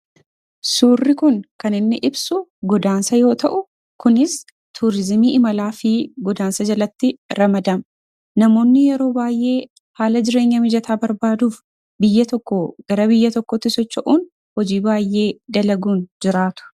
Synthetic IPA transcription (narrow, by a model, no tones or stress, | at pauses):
suːrːɪkʊŋkɐnɪnːɪʔɪbsʊɡɔd̪aːnsɐjo̞ːt̪ɐʔʊ | kʊnɪs | t̪ʰuɾɪzmiːʔɪmɐlaːfɪɡɔd̪aːnsɐd͡ʒɐlɐt̪ːɪɾɐmɐd̪ɐm | nɐmo̞ːnːɪjɛɾo̞ːbaːjʔe̞ː | haːlɐd͡ʒɪɾe̞ːɲːɐmɪd͡ʒɐt̪aːbɐɾbaːd̪uːf | bɪjːɐt̪ɔkːɔɡ̥ɐɾɐbɪjːɐt̪ɔkːɔt̪ːɪsɔt͡ʃːɐʔuːn | hɔd͡ʒiːbaːjːe̞ːd̪ɐlɐɡuːnd͡ʒɪɾaːt̪ʊ̥